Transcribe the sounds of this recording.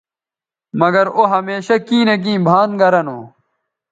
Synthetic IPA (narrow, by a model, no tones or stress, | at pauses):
mɐɡɐɾoɦɐmeːɕɐkĩːnɐk̬ĩːbʱaːnɡɐɾɐno̰ː